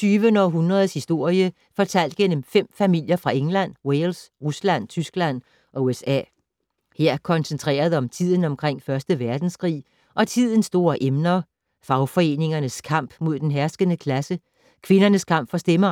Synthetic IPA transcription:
t͡sʰyːʋənəɒ̽ɦunʁɐð̞ˠshisd̥o̝ɐ̰jə | fɒ̽t͡sʰæl̰d̥̚ɡ̥en̰mfem̰fæmil̰jɐfʁɑ̈eŋlæn̰welsʁuslæn̰t͡sʰysɡ̥læn̰ | ʔɒ̽uesɛ̰ː | he̝ɐ̰kʰɒ̽nsent͡sʰʁḛːɐð̞ˠɒ̽mt͡sʰið̞̰ˠn̩ɒ̽mkʰʁeŋ̰fɶɐsd̥əʋæɐd̥n̩skʰʁḭː | ʔɒ̽t͡sʰið̞̰ˠn̩sd̥o̝ːɐʔemnɐ | fɑ̈ʊfɒ̽e̝ːne̝ŋɐnəskʰɑ̈m̰b̥mo̝ð̞̰ˠd̥enɦæɐsɡ̥ənəkʰlæsə | kʰʋe̝nɐnəskʰɑ̈m̰b̥fɒ̽sd̥emɐ

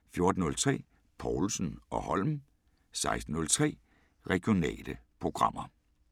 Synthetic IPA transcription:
fjo̝ɐd̥n̩ɔ̽lt͡sʰʁɛ̰ː | pʰɒlsn̩ɒ̽hɒlm | sɑ̈ɪsd̥n̩nɔ̽lt͡sʰʁɛ̰ː | ʁɛɡ̥ijo̝nɛ̰ːləpʰʁo̝ɡ̥ʁɑ̈m̰ɐ

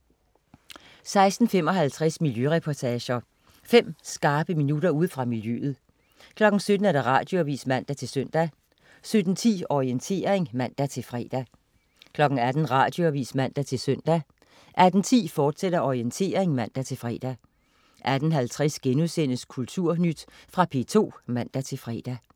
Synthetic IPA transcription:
sɑ̈ɪsd̥n̩fem̰ɒ̽ɦælt͡sʰʁasmiljøʁɛpʰɒt͡sʰɛːɕɐ | fem̰sɡ̥ɑ̈ːb̥əminuɾ̥ɐuð̰ˠfʁɑ̈miljø̰ːð̞̩ˠ | kʰlɒ̽ɡ̥n̩sød̥n̩æd̥æ̈ʁɑ̰̈ːd̥jo̝ʋḭːsmæn̰d̥æt͡sʰe̝lsøn̰d̥æ | sød̥n̩t͡sʰḭːɒient͡sʰe̝̰ːɐʁeŋmæn̰d̥æt͡sʰe̝lfʁɛ̰ːd̥æ | kʰlɒ̽ɡ̥̩æd̥n̩ʁɑ̈ːd̥jo̝æʋḭːsmæn̰d̥æt͡sʰe̝lsøn̰d̥æ | ʔæd̥n̩t͡sʰḭːfɒːd̥seɾ̥ɐʔɒʁient͡sʰe̝ːɐʁeŋmæn̰d̥æt͡sʰe̝lfʁɛ̰ːd̥æ | ʔæd̥n̩ɦælt͡sʰʁɛsɡ̥enuðˠsen̰əskʰult͡sʰuɐ̰nyd̥fʁɑ̈pʰe̝t͡sʰo̝̰ːmæn̰d̥æt͡sʰe̝lfʁɛ̰ːd̥æ

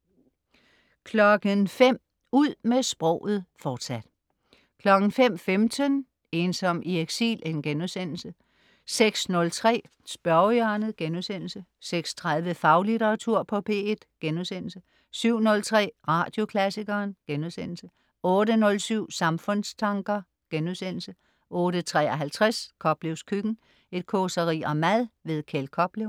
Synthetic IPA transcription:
kʰlɒ̽ɡ̥ənfem̰ | uð̰ˠmesb̥ʁɔ̰ʊð̞̩ˠfɒːd̥sæd̥ | kʰlɒ̽ɡ̥n̩fem̰femd̥ʰən | e̝ːnsɒ̽m̰ieɡ̥sḭːlenɡ̥enuðˠsen̰l̩sə | seɡ̥snɔ̽lt͡sʰʁɛ̰ː | sb̥ɶɐjɑnəð̩ˠɡ̥enuðˠsen̰l̩səseɡ̥st͡sʰʁaðˠʋəfɑ̈ʊlideʁɑ̈t͡sʰuɐ̰pʰɒ̽pʰe̝ːed̥ɡ̥enuðˠsen̰l̩sə | syʊ̰nɔ̽lt͡sʰʁɛ̰ːʁɑ̈ːd̥jo̝kʰlæsiɡ̥ɐːnɡ̥enuðˠsen̰l̩sə | ɔ̽ːɾənɔ̽lsyʊ̰sɑ̈mfɔ̽nst͡sʰɑ̈ŋɡ̥ɐ | ɡ̥enuðˠsen̰l̩sə | ʔɔ̽ːɾət͡sʰʁɛ̰ːɐɦælt͡sʰʁaskʰɒ̽b̥le̝ʊskʰyɡ̥n̩ | e̝d̥̚kʰosɐʁḭːɒ̽mæðˠʋe̝ðˠkʰelkʰɒ̽b̥leʊ

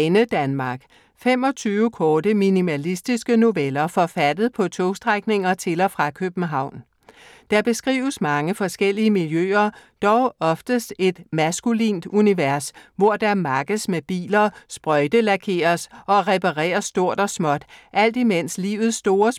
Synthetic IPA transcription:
nəd̥ænmɑ̈ɡ̥ | fem̰ɒ̽t͡sʰyːʊəkʰɒːdəminimælisd̥isɡ̥əno̝ʋelɐfɒ̽fæd̥ð̞̩ˠpʰɒ̽t͡sʰoːsd̥ʁaɡ̥ne̝ŋɐt͡sʰe̝lɒ̽fʁɑ̈kʰøb̥n̩ɦɑ̈ʊ̰n | d̥ɑ̈b̥e̝sɡ̥ʁḭːʊəsmɑ̈ŋəfɒ̽sɡ̥el̰iəmiljø̰ːɐd̥ɒʊɒ̽fd̥əsd̥e̝d̥mæsɡ̥ulḭːnd̥uniʋæɐsʋɒɐ̰d̥ɑ̈mɑ̈ːɡ̥əsmeb̥ḭːlɐsb̥ʁɒɪd̥əlækʰe̝̰ːɐsɒ̽ʁɛpɑʁɛ̰ːɐsːd̥o̝ɐ̰d̥ɒ̽smɒ̽d̥ʔæl̰d̥imen̰slḭːʊð̞̩ˠsːd̥o̝ːɐs

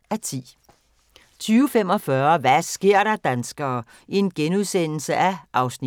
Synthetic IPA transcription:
æt͡sʰḭː | t͡sʰyːʊəfem̰ɒ̽fɶɐʋæsɡ̥e̝ɐ̰ɾɑ̈d̥ænsɡ̥ɐː | ie̝nɡ̥enuðˠsen̰l̩səʔæʔɑ̈ʊsni

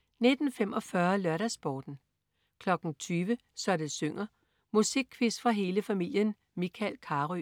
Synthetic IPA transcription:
ne̝d̥n̩femɒ̽fɶɐlɶɐɾæsb̥ɒːd̥n̩ | kʰlɒ̽ɡ̥n̩t͡sʰyːʋə | sɒ̽ɾəsøŋ̰ɐ | musiɡ̥̚kʰːʋisfʁɑ̈ɦe̝ːləfæmil̰jən | mikʰælkʰɑ̈ːʁy

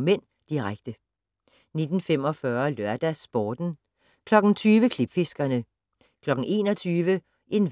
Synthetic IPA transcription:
men̰ | d̥iʁaɡ̥̚d̥ə | ne̝d̥n̩fem̰ɒ̽fɶɐlɶɐd̥æsb̥ɒːd̥n̩ | kʰlɒ̽ɡ̥n̩t͡sʰyːʋəkʰleb̥fe̝sɡ̥ɐnə | kʰlɒ̽ɡ̥n̩e̝̰ːnɒ̽t͡sʰyːʋə | ʔe̝n

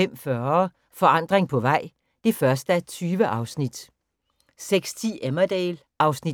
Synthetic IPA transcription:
em̰fɶːɐ | fɒ̽ɑ̈n̰d̥ʁeŋpʰɒ̽ʋɑ̈ɪ̰ | d̥e̝fɶɐsd̥əæt͡sʰyːʋəʔɑ̈ʊsnid̥ | seɡ̥st͡sʰḭːemɐd̥eːl | ʔɑ̈ʊsni

